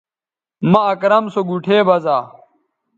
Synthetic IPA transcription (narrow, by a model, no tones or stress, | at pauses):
mɐɐkɾɐmsoɡuʈʰeːbɐzaː